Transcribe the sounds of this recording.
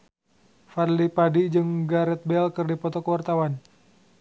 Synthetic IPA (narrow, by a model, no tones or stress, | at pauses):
farlipadid͡ʒɨŋɡaɾɛt̪̚bɛlkɨrdipɔt̪ɔkəwart̪awan